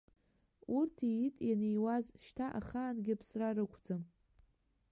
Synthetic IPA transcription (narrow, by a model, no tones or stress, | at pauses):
urtʰijitʼjanejwazʃtʰaʔa̰χaːnɡʲɪpʰsrarɨkʷʰd͡zɨm